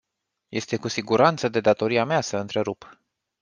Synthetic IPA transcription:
jʔe̞st̪e̞kusiɡuɾant̪səd̪e̞d̪at̪o̞ɾiameasəɨnt̪ɾe̞ɾup

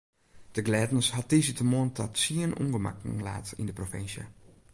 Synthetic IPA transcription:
d̥əɡlɛtn̩shɔt̚isitəmoəntʰɔtsiənṵŋɡəma̰kla̰ːtḭndəprofɪnsjə̰

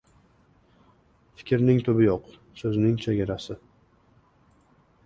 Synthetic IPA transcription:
fɪ̥kʲʰɾnɪŋt̪ʰʊbɪjɒq | sɵznɪŋt͡ʃʰeɡʲaɾasɪ

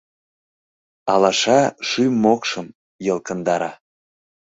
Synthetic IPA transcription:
ɑ̰lɑʃɑʃymːokʃəm | jəlˠkənd̪ɑɾɑ

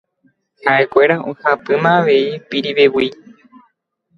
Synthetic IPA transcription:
haʔe̞kʷe̞ɾaʔõhapɨmãːʋe̞ipiɾiʋewi

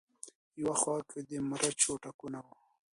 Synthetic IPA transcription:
jawaxwɑked̪emɾʔat͡ʃoʈakunawu

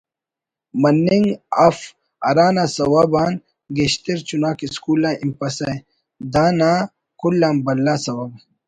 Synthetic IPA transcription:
mɐnːiŋɡɐf | ɐ̰ɾaːnasɐwɐbaːn | ɡeɕt̪eɾt͡ɕunaːkiskuːlaːʔimpɐsɐ | d̪aːnaː | kulːaːmbɐlːaːsɐwɐb

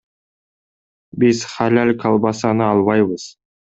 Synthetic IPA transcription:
bɪzχalʲælʲkʰɑlˠbɑsɑnəɑlˠβɑjbəz̥

